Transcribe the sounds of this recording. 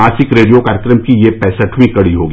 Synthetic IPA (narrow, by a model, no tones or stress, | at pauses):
aːsɪkɾeːɖijokaːɾəkɾəmkijepɛːsəʈʰwĩkɐɽiɦoːɡi